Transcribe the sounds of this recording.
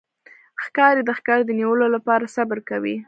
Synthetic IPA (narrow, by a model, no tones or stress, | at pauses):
xkɑɾed̪əxkɑɾd̪əniwəlolapɑɾasabəɾkawi